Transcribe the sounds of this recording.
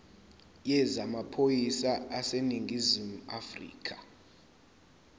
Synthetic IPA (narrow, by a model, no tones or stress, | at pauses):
jɛzamapʰojisaaseniŋɡʱizimuafrḭːkʰḁ